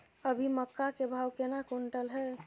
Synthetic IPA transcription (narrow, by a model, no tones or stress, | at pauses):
əbʱiməkːakebʱawkenakoɳʈəlɦɛ